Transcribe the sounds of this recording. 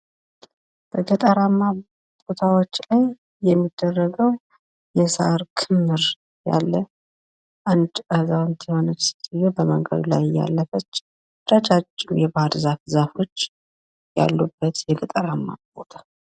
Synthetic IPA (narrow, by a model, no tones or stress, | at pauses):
b̥əɡət̪ʼəɾamːa | bot̪ʰawot͡ʃːlaj | jɛmːid̪ːərːəɡəw | jɛsa̰ɾkʰɨmːɨɾ | ja̰lːə | ʔand̪əzawnt̪ʰiho̞nət͡ʃstijobəməŋɡə̰d̪ula̰jja̰lːəfət͡ʃː | ɾat͡ʃat͡ʃʼːɪmjɛbahaɾzafzafo̞t͡ʃː | ja̰lːubːət̪jɛɡət̪ʼəɾamːa̰bot̪ʰḁ